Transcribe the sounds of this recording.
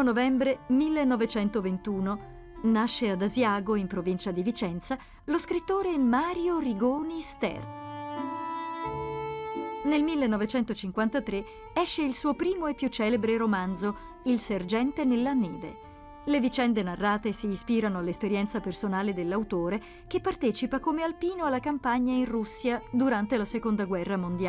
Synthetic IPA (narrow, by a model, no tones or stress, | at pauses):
onovɛmbɾemilːenːɔvet͡ʃɛnt̪ovent̪uːno | naʃːead̪azjaːɡoimpɾovint͡ʃad̪ivit͡ʃɛnt̪sa | loskɾit̪ːoːɾemaːɾjoriɡoːnist̪ɛ̰r | nelmilːenːɔvet͡ʃɛnt̪ot͡ʃiŋkwant̪at̪ɾe | ɛʃːeilsuːopɾiːmoepːjut͡ʃːɛːlebɾeɾomand̪zo | ilserd͡ʒɛnt̪enelːaneːvḛ | levit͡ʃɛnd̪enarːaːt̪esiːspiːɾanoalːespeɾjɛnt̪sapersonaːled̪elːawt̪oːɾe | kepːart̪ɛːt͡ʃipakomealpiːnoalːakampaɲːainrusːjad̪uɾant̪elasekond̪aɡwɛrːamond̪ja